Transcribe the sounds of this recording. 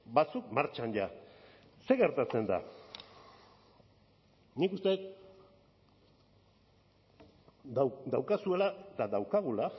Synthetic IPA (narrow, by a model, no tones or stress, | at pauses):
bat͡sukmaɾt͡ʃanʎa | se̞ɣe̞ɾt̪at͡se̞nd̪a̰ | nikust̪e̞t̪ | d̪awkasue̞lat̪aðawkaɣ̞ula